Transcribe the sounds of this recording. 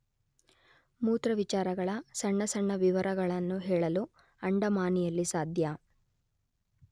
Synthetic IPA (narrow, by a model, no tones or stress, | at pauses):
muːt̪ɾɐʋit͡ʃaːɾɐɡɐɭɐsɐɳːɐsɐɳːɐʋiʋɐɾɐɡɐɭɐnːuɦɛːɭɐlu | ɐɳɖɐmaːnijɐlːisaːd̪ʱjɐ